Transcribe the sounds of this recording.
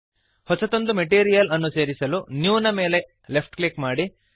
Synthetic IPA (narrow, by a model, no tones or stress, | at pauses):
hɔt͡ʃɐt̪o̞nd̪umeʈiːɾijɐlɐnːuse̞ːɾisɐlunjuːnɐme̞ːle̞ | le̞pʰʈklikmaːɽi